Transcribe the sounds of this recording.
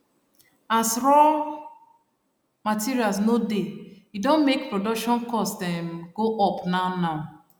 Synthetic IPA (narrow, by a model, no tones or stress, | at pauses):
asɹɔ | matiɾialsnode | idõnmek̚pɹodɔkʃɔ̃nkɔsdɛ̃mɡoʔɔpnaʊnaʊ